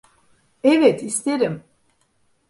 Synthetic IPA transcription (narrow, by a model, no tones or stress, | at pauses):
ɛvɛt̪ʰist̪eɾim